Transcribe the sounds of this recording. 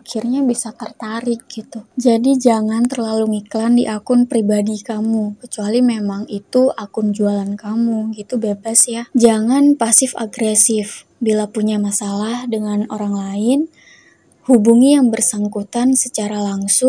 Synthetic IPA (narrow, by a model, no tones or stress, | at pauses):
akʰɪrɲabisat̪ərt̪aɾɪk̚ɡ̥it̪ud͡ʒadid͡ʒaŋant̪ərlaluŋiklandiʔakʊnpɾibadikamukət͡ʃualimemaŋit̪uakʊnd͡ʒualankamuɡit̪ubebasjad͡ʒaŋanpasɪfa̰ɡɾesɪf | bilapuɲamasalahdəŋanoɾaŋlaɪn | hubuŋijaŋbərsaŋkut̪ansət͡ʃaɾalaŋsʊŋ